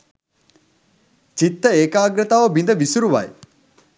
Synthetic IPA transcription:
t͡ʃit̪ːəeːkaːɡɾət̪aːʋəbind̪əʋisuɾuʋa̰j

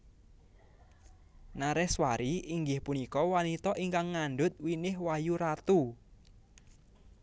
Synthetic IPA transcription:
naɾɛhswaɾiʔiŋɡɪhpunikɔwanit̪ɔʔiŋkaŋːaɳɖʊt̪̚winɪhwajuɾat̪u

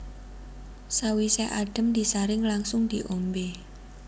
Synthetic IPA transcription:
sawisɛʔaɖ̥ə̤md̪̥isaɾɪŋlaŋsʊŋd̪̥iʔombe

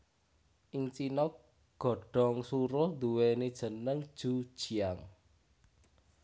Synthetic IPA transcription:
ʔɪŋt͡ʃinɔk | ɡ̥ɔ̤ɖ̥ɔ̤ŋsuɾʊhnd̪uwened̥ʒ̥ə̤nəŋd̥ʒ̥ṳd̥ʒ̥i̤aŋ

